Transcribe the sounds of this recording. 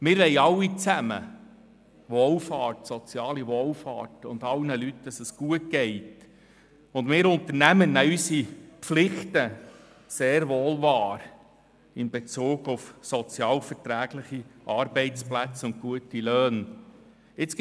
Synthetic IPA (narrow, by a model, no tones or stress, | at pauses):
mɪːɾʋɛɪɑwːit͡sæmə̰ | ʋɔːlfɑːɾtsɔt͡sjɑːliʋɔlfɑ̰ːtʊ̰ndɑlnəlytdɑsəsɡ̥uət̚ɡ̥ɛɪt | ʊndmɪːɾʊnt̪ənæmənːæysipflɪχtə | seːɾʋoːlvɑːɾ | ɪnbet͡suːɡʊfsɔt͡sjɑːlfəɾtɾæːɡ̥lɪχiʔɑɾbɛɪt͡splæt͡sʊnt̚kuətiløːn | ɪt͡s